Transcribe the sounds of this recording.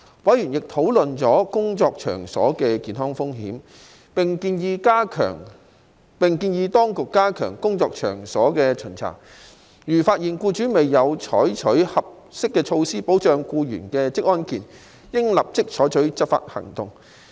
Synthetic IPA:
wɐ˨˥jɥyː˨˩njɪ˨k̚t̪ʰo˨˥wlɵ˨nt͡sɔː˨˥kʊ˥ŋt͡sɔː˧k̚t͡ʃʰœ̰ː˨˩ŋsɔ̰ː˨˥kɛː˧kiː˨˧nɦɔ˥ŋfʊ˥ŋɦḭː˨˥m | pɪ˨ŋkiː˧njiː˧kaː˥kʰœ̰ː˨˩ŋ | pɪ˨˩ŋkiː˧njiː˧t̪ɔː˥ŋkʊ˨kːaː˥kʰœː˨˩ŋkʊ˥ŋt͡sɔː˧k̚t͡ʃʰœ̰ː˨˩ŋsɔː˨˥kɛː˧t͡ʃʰɵ˨˩nt͡sʰa̰ː˨˩k̚ | jyː˨˩faː˧t̚jiː˨˩nkuː˧t͡ʃyː˨˥me˨jːɐ˨˧wt͡ʃʰɔ̰ː˨˥jt͡ʃʰɵ˨˥ɥhɐ˨p̚ | sɪ˥kːɛː˧t͡ʃʰo˧wsiː˥po˨˥wt͡ʃœː˧ŋkuː˧jy̰ː˨˩nkɛː˧t͡sɪ˥k̚ʔɔː˥nkiː˨n | jɪ˥ŋlɐ˨p̚t͡sɪ˥k̚t͡ʃʰɔː˨˥jt͡ʃʰɵ˨˥ɥt͡sɐ˥t̚fa̰ː˧t̚hɐ̰˨˩ŋt̪ʊ˧ŋ

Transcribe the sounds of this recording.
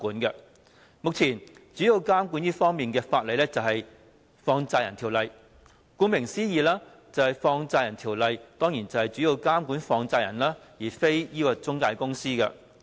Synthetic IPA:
kuː˨˥nkɐ˧ | mʊ˨k̚t͡sʰiː˨˩nt͡syː˨˥ji˨˧wkaː˥mkuː˨˥njiː˥fɔː˥ŋmiː˨nkɛː˧faː˧t̚lɐ˨˧lɛː˥t͡sɐ˨whɐ˨j | fɔː˧ŋt͡saː˧jɐ˨˩nt̪ʰiː˨˩wlɐ˨˧j | kuː˨˥nmɪ˨˩ŋsiː˥jiː˨˧laː˥ | t͡sɐ˨˧whɐ˨jfɔː˧ŋt͡saː˧jɐ˨˩nt̪ʰiː˨˩wlɐ˨jt̪ɔː˥ŋjiː˨˩nt͡sɐ˨˩whɐ˨jt͡syː˨˥ji˨˧wkaː˥mkuː˨˥nfɔː˧ŋt͡saː˧jɐ̰˨˩nlaː˥jiː˨˩fe˥jjiː˥kɔː˧t͡sʊ˥ŋkaː˧jkʊ˥ŋsiː˥kɐ̰˧

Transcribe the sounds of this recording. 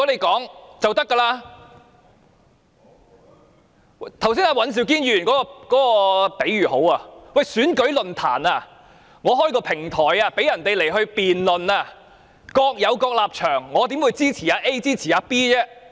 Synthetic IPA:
ɔ˨˥ne˨˧jkɔː˨˥ŋt͡sɐ˨wt̪ɐ˥kːaː˧laː˧˨˩ | t̪ʰɐ˨˩wsiː˥naː˧wɐ˨˥ns̬iː˨˩wk̬iː˥njyː˨˩nkɔː˨˥kɔː˧kɔː˨˥kɔː˧pe˨˥jɥyː˨˩ho˨˥waː˧wɐ˨jsyː˨˥nkɵ˨˥ɥlɵ˨nt̪ʰa̰ː˨˩naː˧ | ŋɔː˨˧ɦɔː˥jkɔː˧pʰɪ˨˩ŋt̪ʰɔː˨˩jaː˧pe˨˥jɐ˨˩nt̪e˨jle˨˩jɦɵ˧ɥpiː˨nlɵ˨naː˧ | kɔː˧k̚jɐ˨˧wkɔː˧k̚laː˨p̚t͡ʃʰœː˨˩ŋːɔː˨˧t̪iː˨˥mwuː˨˧jt͡siː˥t͡sʰiː˨˩aː˨˧ʔe˥jt͡siː˥t͡sʰiː˨˩jaː˨˧piː˥jɛː˥

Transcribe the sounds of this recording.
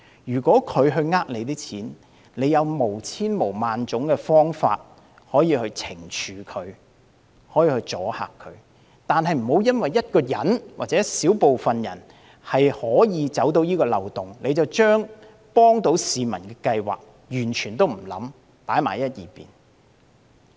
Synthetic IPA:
jyː˨˩kʷɔː˨˥kʰɵ˨˧ɥɦɵ˧ɥŋaː˧k̚le˨˧jt̪̬iː˥t͡sʰiː˨˥n | le˨˧jɐ˨˧wmo˨˩wt͡sʰiː˥nmo˨˩wmaː˨nt͡sʊ˨˥ŋkɛ˧fɔː˥ŋfa̰ː˧t̚ | hɔː˨˥jiː˧hɵ˧ɥt͡sʰɪ˨˩ŋt͡ʃʰyː˨kʰɵ˨˧ɥ | hɔː˨˥jiː˧hɵ˧t͡sɔː˨˥ha̰ː˨kʰːɵ˨˧ɥ | t̪aː˨nɦɐ˨jm̩˨˩ho˨˧wjɐ˥nwɐ˨jːɐ˥t̚kɔː˧jɐ˨˥nwa̰˨t̚t͡sɛː˨˥siː˨˥wpo˨wfɐ˨njɐ̰˨˩n | hɐ˨jhɔː˨˥jiː˨˧t͡sɐ˨˥wt̪o˨˧˥wjiː˥kɔː˧lɐ˨wt̪ʊ˨ŋle˨˧jt͡sɐ˨wt͡ʃœː˥ŋ | pɔː˥ŋt̪o˨˥wsiː˨mɐ˨˩nkɛː˧kɐ˧jwa̰ː˨k̚ | jyː˨˩nt͡ʃʰyː˨˩nt̪o˥wm̩˨˩lɐ̰˨˥m | paː˨˥jma̰ː˨˩jɐ˥t̚jiː˨pḭː˨n

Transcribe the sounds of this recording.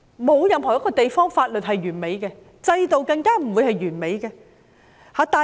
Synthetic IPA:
mo˨˧wjɐ˨˧mɦɔː˨˩jɐ˥kːɔː˧t̪e˨jfɔː˥ŋfaː˧t̚lɵ˨t̚hɐ˨jɥyː˨˩nme˨˧˥jkɛː˧ | t͡sɐ˧jt̪o˨wkɐ˧ŋkaː˥m̩˨˩wuː˨˧jhɐ˨jɥyː˨˩nme˨˧jkɛː˧ | haː˨˧t̪aː˨

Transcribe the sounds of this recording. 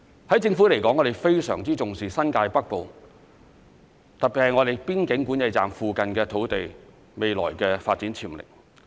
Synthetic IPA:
hɐ˨˥jt͡sɪ˧ŋfu˨˥le˨˩jkɔ˨˥ŋːɔ˨˧ɾe˨jfe˥jsœ̰ː˨˩ŋt͡siː˥t͡sʊ˨˩ŋsiː˨sɐ˥nkaː˧jpɐ˥k̚po˨w | t̪ɐ˨k̚pi˨t̚hɐ˨jŋɔː˨˧ɾe˨jpiː˥nkɪ˨˥ŋkuː˨˥njɐ˨˧jt͡sa̰ː˨mfuː˨kɐ˨nkɛː˧t̪ʰo˨˥wt̪e˨j | me˨jlɔ̰ː˨˩jkɛː˧faː˧t̚t͡siː˨˥nt͡sʰiː˨˩mlɪ̰˨˩k̚

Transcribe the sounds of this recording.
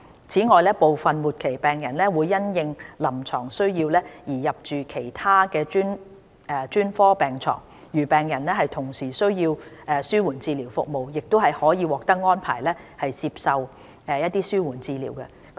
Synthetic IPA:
t͡sʰiː˨˥ŋɔː˨˧jlɛː˥po˨wfɐ˨nmuː˨t̚kʰe˨˩jpɛː˨ŋjɐ˨˩nlɛː˥wuː˨˧jːɐ˥njɪ˨˧ŋlɐ˨˩mt͡ʃʰɔː˨˩ŋsɵ˥ɥjiː˧wlɛː˥jiː˨˩jɐ˨p̚t͡ʃyː˨kʰe˨˩jt̪ʰaː˥kɛː˧t͡ʃyː˥n | ɛ˨˧t͡ʃyː˥nfɔː˥pɛː˨ŋt͡sʰɔ̰ː˨˩ŋ | jyː˨˩pɛː˨ŋjɐ˨˩nlɛ˥ɦɐ˨jt̪ʰʊ˨˩ŋsiː˨˩sɵ˥ɥjiː˧wɛː˨˧syː˥wuː˨˩nt͡siː˧liː˨˩wfʊ̰˨k̚mo˨wjɪ˨k̚t̪o˥ɦɐ˨jhɔː˨˥jiː˨˧wɔː˨k̚t̪ɐ˥k̚ŋɔː˥npʰa̰ː˨˩jlɛː˥ | hɐ˨jt͡siː˧p̚sɐ˨w | ɛ˧jɐ˥t̪̚iː˥syː˥wuː˨˩nt͡siː˧lḭː˨˩wkɛ˧

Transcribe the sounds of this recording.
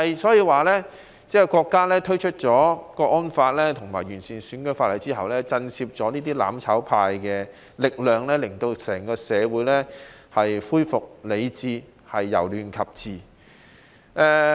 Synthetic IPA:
ɐ˨jsɔː˨˥jiː˧waː˨˩lɛ˥ | t͡sɛː˥kɔː˧kːaː˥lɛː˥t̪ʰɵ˥ɥt͡ʃʰɵ˥t̚t͡sɔː˨˥kɔː˧ʔɔː˥nfaː˧t̚lɛː˥t̪ʰʊ˨˩ŋmaː˨˩jɥyː˨˩nsiː˨˩nsyː˨˥nkɵ˨˧˥jfaː˧t̚ɐ˨˩jt͡si˥ɦɐ˨wlɛː˥t͡sɐ˧nsiː˧p̚t͡sɔː˨˥niː˥t̪̬iː˥la̰ː˨˥mt͡sʰɐ˨˥wpʰaː˧jkɛː˧ | lɪ˨k̚lœː˨ŋlɛ˥lɪ˨˩ŋt̪o˧wsɛː˨˩ŋkɔː˧sɛː˨˧wuː˨˥jlɛː˥hɐ˨jfuː˥jfʊ˨k̚le˨˧jt͡siː˧ | hɐ˨jːɐ̰˨˩wlyː˨nkʰɐ˨p̚t͡siː˨˩ | ʔɛː˧

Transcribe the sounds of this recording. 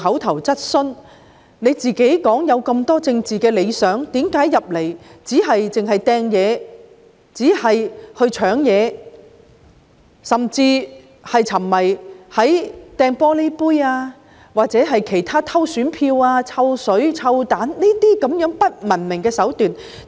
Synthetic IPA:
ɦɐ˨˥wt̪ʰɐ˨˩wt͡sɐ˥t̚sɵ˥n | ne˨˧jt͡siː˨˩ke˨˥jkɔː˨˥ŋjɐ˨˧wkɐ˧mt̪ɔː˥t͡sɪ˧ŋt͡siː˨˩kɛː˧le˨˧jsœː˨˥ŋt̪iː˨˥mkaː˨˥jːɐ˨p̚le˨˩jt͡siː˨˥ɦɐ˨jt͡sɪ˨ŋɦɐ˨jt̪ɛː˧ŋjɛː˨˧ | t͡siː˨˥hɐ˨jhɵ˧ɥt͡ʃʰœː˨˥ŋjɛː˨˧ | sɐ˨˩mt͡siː˧ | hɐ˨jt͡sʰɐ˨˩mːɐ˨˩jhɐ˨˥jt̪ɛː˧ŋpɔː˥le˥jpuː˥jaː˧ | waː˨t̚t͡sɛː˨˥ɦɐ˨jkʰe˨˩jt̪ʰaː˥t̪ʰɐ˥wsyː˨˥npʰiː˧waː˧t͡sʰɐ˧wsɵ˨˥ɥt͡sʰɐ˧wt̪aː˨˥nniː˥t̪iː˥kɐ˨˧˥mjœː˨˥ŋpɐ˥t̚mɐ˨˩nmɪ˨˩ŋkɛː˧sɐ˨˥wt̪yː˨n

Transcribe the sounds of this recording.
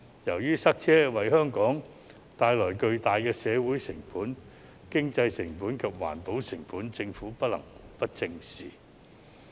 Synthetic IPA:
jɐ˨˩wjyː˥sɐ˥k̚t͡sʰɛː˥wɐ˨jɦœː˥ŋkɔː˨˥ŋ | t̪aː˧jlɔː˨˩jkɵ˧ɥt̪aː˨jkɛː˧sɛː˨˧wuː˨˥jsɪ˨˩ŋpuː˨˥n | kɪ˥ŋt͡sɐ˧jsɪ˨˩ŋpuː˨˥nkʰɐ˨p̚wa̰ː˨˩npo˨˥wsɪ˨˩ŋpuː˨˥nt͡sɪ˧ŋfuː˨˥pɐ˥t̚lɐ̰˨˩ŋpɐ˥t̚t͡sɪ˧ŋsiː˨˩

